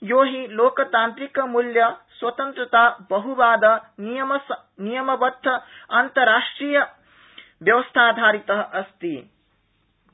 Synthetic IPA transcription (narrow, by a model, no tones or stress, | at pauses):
joːɦiloːkt̪ãːnt̪ɾikmuljɐswɐt̪ənt̪ɾət̪abɐɦubaːd̪ɐnijəms | nijəmɐbɐt̪ʰːɐɐnt̪ɐɾːaːʂʈɾijə | bjɐʋəst̪ʰad̪ʱaːɾit̪əɦʔɐst̪i